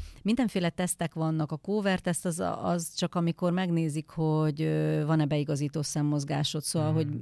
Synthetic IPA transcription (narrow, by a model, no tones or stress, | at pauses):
mind̪ɛɱfeːlɛt̪ɛst̪ɛkʋɒnːɒkɒkoːvɛrt̪ɛst̪ɛz̰ɒzt͡ʃɒkɒmiko̞rmɛɡneːzikho̞ɟøvɒnɛbɛiɡɒziːt̪oːsɛmːo̞zɡaːʃo̞t̪soːvɒlɦo̞ɟ